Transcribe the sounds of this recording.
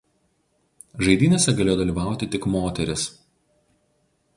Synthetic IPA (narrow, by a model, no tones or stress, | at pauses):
ʒɐɪd̪ʲiːnʲesʲɛɡɐlʲeːjod̪ɐlʲiːʋɑˑʊt̪ʲɪt̪ʲɪkmoːt̪ʲɛɾʲɪs